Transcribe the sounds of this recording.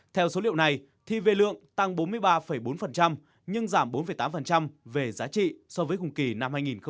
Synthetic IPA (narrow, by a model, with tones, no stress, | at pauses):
t̪ʰɛ˧wso˨˦lḭ˧˨əwna˨˩j | t̪ʰi˧ve˧lɨ̰˧˨əŋt̪a˧ŋɓo˨˦nmɨ˧əjɓaː˧fə˨˩jɓo˨˦nfə˨˩nt͡ɕa˧m | ɲɨ˧ŋzaː˧˩mɓo˨˦nfə˧˨˩jt̪aː˨˦mfə˨˩nt͡ɕa˧mve˨˩zaː˨˦t͡ɕḭ˧˨sɔ˧vəː˨˦jkʊ˨˩ŋ͡mki˨˩na˧mhaː˧jŋi˨˩nxə˧